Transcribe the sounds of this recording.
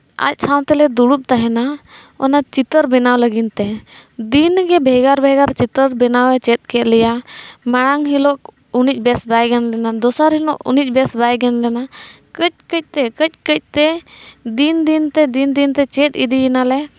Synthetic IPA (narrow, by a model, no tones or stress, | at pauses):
a̰c̚sãwt̪ɛlɛd̪uɽup̚t̪aɦɛna | ɔ̰nat͡ʃit̪əɾbɛnawləɡint̪ɛd̪inɡɛbʱɛɡaɾbʱɛɡaɾt͡ʃit̪əɾbɛnawɛt͡ʃɛt̪̚ˀkɛʔ̪lɛjamaɽ̃aŋɦilɔk | unic̚ˀbɛsbajɡɛnlɛnad̪ɔsaɾɦinɔʔṵnic̚ˀbɛsbajɡɛnlɛna | kəc̚kəc̚ˀt̪ɛkəc̚ˀkəc̚ˀt̪ɛd̪ind̪int̪ɛd̪ind̪int̪ɛt͡ʃɛt̪̚id̪iɛnalɛ